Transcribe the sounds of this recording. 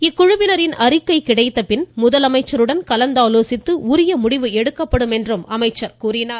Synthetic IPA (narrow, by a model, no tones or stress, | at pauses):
ɪkːʊɻʊʋɪnɐɾɪnɐɾɪkːɐɪkɪɽɐɪt̪ːɐpɪnmʊðɐlɐmɐɪt͡ʃːɐɾɯɽɐnkɐlɐnd̪aːloːsɪt̪ːɯʊɾɪjɐmʊɽɪʋɯɛɽɯkːɐpːɐɽɯmɛndrɯmɐmɐɪt͡ʃːɐɾkuːɾɪnaː